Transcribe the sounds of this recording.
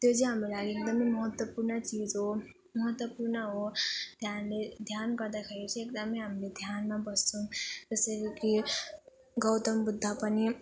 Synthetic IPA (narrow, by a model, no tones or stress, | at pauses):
t̪jot͡sʌ̃j̃ɦamrulaɡiek̚d̪ʌmʌjmʌɦʌt̪wʌpurnʌt͡sid͡zɦo | mʌɦʌt̪wʌpurnʌɦod̪ʱjanled̪ʱjanɡʌrd̪akʰeɾet͡sʰʌek̚d̪ʌmʌjɦamiled̪ʱjanmabʌst͡sʰʌ̃t̪ʌsʌɾiki | ɡʌwt̪ʌmbud̪ʱːapʌni